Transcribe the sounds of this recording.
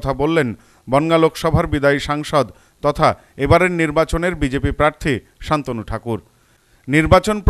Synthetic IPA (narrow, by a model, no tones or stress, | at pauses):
t̪ʰabolːen | bɔŋɡalokʃɔbʱaɾbid̪aiʃaŋʃɔd̪ | t̪ɔt̪ʰa | ebaɾeɾniɾbat͡ɕoneɾbid͡ʑepipɾaɾt̪ʰi | ʃant̪onuʈʰakuɾ | niɾbat͡ɕonpɾ